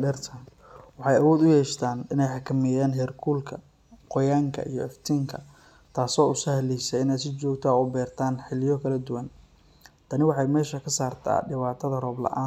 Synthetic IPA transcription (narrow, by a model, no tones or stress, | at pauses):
ɖɛrt̪ʰɐn | wɑħɑjɐwɔːd̪ʊjɛːʃt̪ʰaːnɪnɛjħɑkʰɐmɪjaːnɦɛːrkʰuːlkʰɐ | qɔjaːŋkʰɐ̰ʔijɞɛft̪ʰiːŋkʰɐ̰ | t̪ʰaːsɔːʊsɐhlisɛjɪnɛːs̬ɪt͡ʃɔːɡt̪ʰɐɔːbɛːrt̪ʰaːnħɪlɪjɔkʰɐlɐd̪ʊwɐn | t̪ʰɐnɪwɑħɑjmɛːʃɐkʰɐsaːrt̪ʰa̰ːɖɪβaːt̪ʰɐðɐrɔːblɐ̰ʔa̰ː